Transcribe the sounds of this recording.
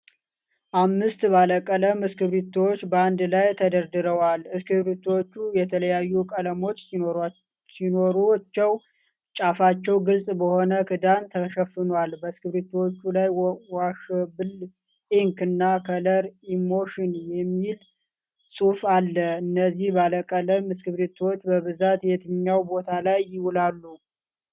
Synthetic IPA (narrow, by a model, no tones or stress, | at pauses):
ʔamːɨst̪baləkʼːələmɨskɨβɾit̪wot͡ʃːbəand̪lajt̪ʰəd̪əɾd̪ɨɾəwalɨskɨβɾit̪ʰwot͡ʃːujɛt̪ʰələjajːukʼələmo̞t͡ʃː | sino̞ɾut͡ʃːɛw | t͡ʃʼafat͡ʃːɛwɡɨlsʼbəho̞nəkʰɨd̪ant̪ʰəʃəfɨnwalbəskɨβɾit̪ʰwot͡ʃːulajwaʃbɨl | ʔeŋkɨnːakʰələɾimo̞ʃɪnjɛmːil | sʼufalːəɨnːəzːihbaləkʼələmɨskɨβɾit̪ʰwot͡ʃːbəβɨzat̪jɛt̪ʰɨɲːawbo̞t̪ʰalajːɪwulalːu